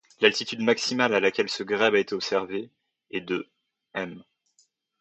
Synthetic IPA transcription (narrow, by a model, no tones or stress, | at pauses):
lalt̪it̪yd̪maksimalalakʲɛlsəɡʁɛbaet̪eɔpsɛʁve | ɛd̪ə | ɛm